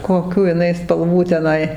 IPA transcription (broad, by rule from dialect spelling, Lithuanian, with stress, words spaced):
koːˈkʲuː ɪˈnɐɪ spɐlˠˈʋuː tʲɛˈnɐɪ